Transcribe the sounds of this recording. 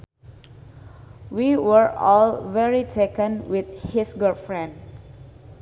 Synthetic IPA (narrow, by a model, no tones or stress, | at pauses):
wiwəɹɔlvɛɹitʰekə̃nwit̪̚hisɡəɹfɹɛ̃nd